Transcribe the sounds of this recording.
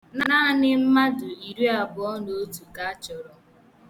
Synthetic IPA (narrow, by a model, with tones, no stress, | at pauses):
na˦na˦nɪ˦m̩˦ma˦dʊ˨i˨ɾi˦a˨bʊ˨ɔ˦no˨o˦tu˨ka˦a˦t͡ʃɔ˨ɾɔ˦